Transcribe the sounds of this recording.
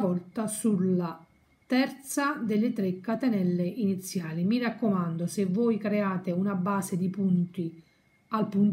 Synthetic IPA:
vɔlt̪asulːa | t̪ɛrt̪sad̪elːɪt̪ɾekːat̪enɛlːeʔinit̪sːjaːlimirakːomand̪osevːoːjkɾeaːt̪eunabaːsed̪ipunt̪i | alpun

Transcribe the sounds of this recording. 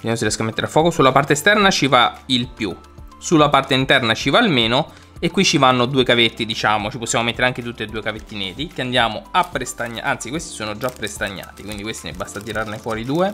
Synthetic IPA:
d̪jamos̬irjɛskamːet̪ːeɾafːɔːkosulːapart̪est̪ɛrnat͡ʃivailpju | sulːapart̪eint̪ɛrnat͡ʃivaːlmeːno | ekːwit͡ʃːivanːod̪uːekavet̪ːid̪it͡ʃaːmot͡ʃiposːjamomet̪ːeɾeaŋk̟et̪ut̪ːed̪uːekavet̪ːinɛːd̪ikeand̪jaːmoapːɾest̪aɲːa̰ʔa̰nt̪sikwest̪i̥soːnod͡ʒapːɾest̪aɲːa̰ːt̪ikwind̪ikwest̪inɛ̰bːast̪at̪iɾarnefwɔːɾid̪uːe

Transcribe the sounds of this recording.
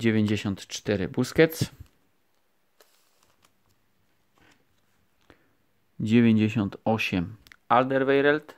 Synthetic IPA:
d͡ʑevʲjeɲd͡ʑeɕɔnt̪t͡ʂt̪ɛɾɪ̰buskɛt̪s | d͡ʑevʲjeɲd͡ʑeɕɔnt̪ɔɕɛmald̪ɛɾvɛjɾɛlt̪

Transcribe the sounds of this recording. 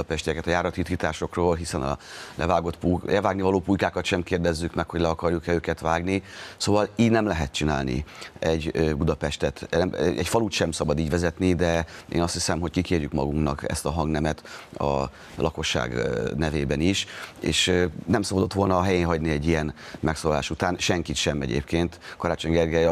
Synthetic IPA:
pɛʃt̪ɛkɛt̪ɒjaːɾɒt̪it̪kiːt̪aːʃo̞kroːlɦisɛnɒ̰lɛvaːɡo̞t̪pulɛvaːɡnivɒloːpujkaːkɒt̪ʃɛmkeːrd̪ɛzːykmɛkhoɟlɛɒkɒrjukɛløːkɛt̪ʋaːɡnisoːvɒliːɟnɛmlɛɦɛt̪̚t͡ʃina̰ːlnḭɛɟøbud̪ɒpɛʃt̪ɛt̪ɛmɛcfɒluːt̪ʃɛmsɒbɒd̪iːɟʋɛzɛt̪nid̪ɛḛːnɒst̪hisɛmɦo̞ckikeːrjykmɒɡuŋknɒkɛ̰st̪ɒɦɒŋɡnɛmɛt̪ɒ̰ | lɒko̞ʃːa̰ːɡnɛveːbɛniʃḛːʃnɛmsɒbɒd̪o̞t̪ʋo̞lnɒːɦɛjeːnɦɒɟniɛɟːijɛnmɛksoːlɒlaːʃut̪aːnʃɛŋkit̪ʃɛmɛ̰ɟḛːpkeːnt̪kɒɾaːt͡ʃo̞ɲɡɛrɡɛ

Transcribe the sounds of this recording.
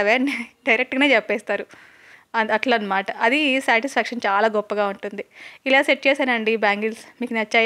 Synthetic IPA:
ʋeːnɖɐjɾek̚ʈɡɐːneːt͡ʃɛpːɛːst̪aːɾu | ɐnɐʈlɐnːɐmaːʈɐʔɐd̪isaːʈispʰæːkʂɐnt͡ʃaːlaːɡɔpːɐɡaːuɳʈund̪iilaːseʈ̚t͡ʃɛːsaːnɐɳɖibaːŋɡilsmiːkunɐt͡ʃːaː

